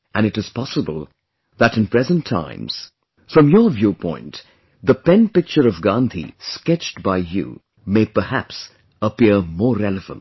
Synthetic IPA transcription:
ʔɨ̃ñɨɾɨz̥pʰɑsəbə̰lˠ | ðəɾɨ̃npʰɹ̥ɛzə̃ntʰã̰ɪ̃mz̥ | fɹʌ̃mjə˞vjupʰɔ̰̃ɪ̃nt | ðəpɛ̃npɪk̚t͡ʃə˞ʌvɡɑ̃nt̪ʰḭskɛt͡ʃtbaɪjṵ | meɪpə˞hæps | əpiɹmɔɹɹɛlˠɨvə̰̃nt

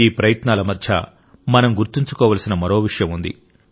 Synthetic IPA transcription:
iːpɾɐjɐt̪naːlɐmɐd̪ʱjɐ̰ | mɐnɐmɡuɾt̪iɲt͡ʃu̥kɔːʋaːlɐsinɐmɐɾo̞ːʋiʂjɐmund̪ḭ

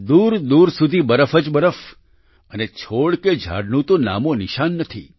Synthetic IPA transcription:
d̪uɾd̪uɾsud̪ʱibəɾəfəd͡ʒbəɾəf | ənet͡ʃʰoɽked͡ʒʱa̰ɽnũt̪ona̰monɪʃanːət̪ʰḭ

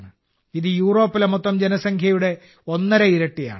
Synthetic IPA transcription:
ɳɨ | iðɨjuːro̞ːpːilemot̪ːɐmd͡ʑenɐsɐŋkʰjɐjuɽe̞ | o̞nːɐɾɐiɾɐʈːija̰ːɳɨ

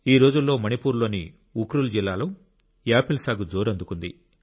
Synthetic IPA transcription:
iːɾo̞ːd͡ʒulːo̞ːmɐnipuːɾlo̞ːni | ukɾuld͡ʒilːaːlu | jaːpilsaːɡud͡ʒoːɾɐnd̪ukund̪ḭ

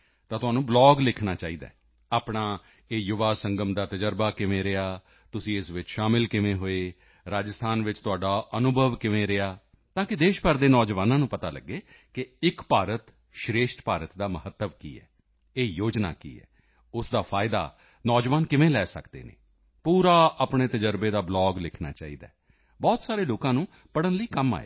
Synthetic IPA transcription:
t̪ãːt̪ʊɦaːnũːblɔːɡlɪkʰnaːt͡ʃaːiːd̪a̰ː | aːpɳaː | eːjʊʋaːsəŋɡəmd̪aːt̪əd͡ʒəɾbaːkɪʋẽːɾeaː | t̪ʊsĩːɪsʋɪt͡ʃʃaːmɪlkɪʋẽːɦoːeː | ɾaːd͡ʒəst̪ʰaːnʋɪt͡ʃt̪ʊaːɖaːʔənʊbʱəʋkɪʋẽːɾɪaː | t̪ãːkɪd̪eːʃpəɾd̪eːnɔːd͡ʒʋaːnãːnũːpət̪aːlə̰ɡːeː | kɪɪkpaːɾət̪ | ʃɾeːʃʈ̪paːɾət̪d̪aːməɦət̪ːəʋkḭːɛ̰ː | eːjoːd͡ʒna̰ːkḭːɛ̰ː | ʊsd̪aːpʰaːɪd̪a̰ː | nɔːd͡ʒʋaːnkɪʋẽːlɛːsə̰kd̪ḛːnḛ̃ː | puːɾaːʔaːpɳeːt̪əd͡ʒəɾbeːd̪aːblɔːɡlɪkʰna̰ːt͡ʃa̰ːḭːd̪a̰ː | bɔːt̪saːɾeːloːkãːnũː | pəɽənləiːkəma̰ːḛː

